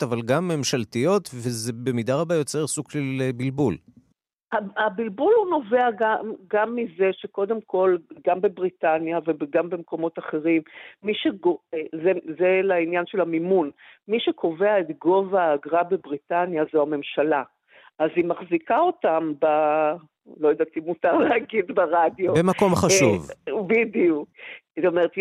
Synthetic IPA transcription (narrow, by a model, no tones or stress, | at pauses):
tavalɡamːe̞mʃalt̪ijo̞t̪vezebe̞mid̪aʁabajo̞t͡seʁsukʃelbilbul | aabilbuluno̞ve̞aɡamɡamːize̞ʃeko̞d̪e̞mko̞lɡambe̞bʁitanjavebeɡambe̞mko̞mo̞t̪aχe̞ʁimːiʃeɡoezezelainjanʃelamimunmiʃekʰo̞ve̞aet̪ɡo̞vaːɡʁabebʁit̪anjazoame̞mʃala | ʔazimaχzikao̞tamba | lo̞jad̪at̪imutaʁlehaɡid̪beʁadjobemakomχaʃuvbid̪iuk̚tomeʁet̪